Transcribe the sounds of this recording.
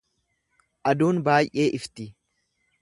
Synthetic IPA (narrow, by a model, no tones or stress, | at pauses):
ʔɐd̪uːnbaːjʔe̞ːʔɪft̪ɪ